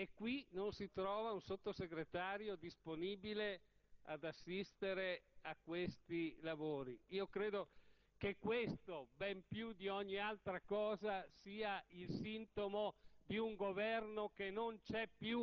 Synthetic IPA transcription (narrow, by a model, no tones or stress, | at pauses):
ekːwinonsit̪ɾɔːvaunsot̪ːoseɡɾet̪aːɾjod̪isponiːbilea̰d̪asːist̪eɾeakːwest̪ilavoːɾiiːokɾeːd̪o | kekːwest̪obɛmpjud̪iɔɲːialt̪ɾakɔːzasiːailsint̪omod̪iuŋɡovɛrnokenont͡ʃɛpːju